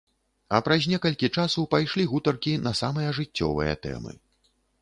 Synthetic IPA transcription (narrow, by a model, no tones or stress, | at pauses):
ɐpɾɐzʲnʲɛkɐlʲkʲit͡ʂasɐwpajʂlʲiɣut̪ɐrkʲinɐsamɨjɐʐɨt͡sʲːɔ̰vɨ̰jɐ̰t̪ɛ̰mɨ̰